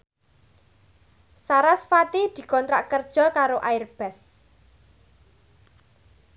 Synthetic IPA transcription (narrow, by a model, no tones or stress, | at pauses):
saɾasfat̪id̪̥i̤kɔnt̪ɾa̰ʔkərd̥ʒ̥ɔ̤kaɾoʔaɪrb̥ɛs